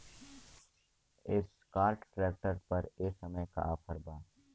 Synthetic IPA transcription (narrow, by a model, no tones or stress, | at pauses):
ɪs | kaːɾʈʈɾɛːk̚ʈəɾpɐɾeːksɐməjka̰ʔaːpʰəɾbaː